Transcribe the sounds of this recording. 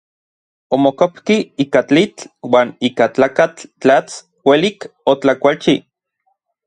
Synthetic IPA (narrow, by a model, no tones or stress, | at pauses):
omokopkiiːkat͡ɬit͡ɬwaːniːkat͡ɬaːkat͡ɬːat͡s | welikot͡ɬakʷalt͡ʃi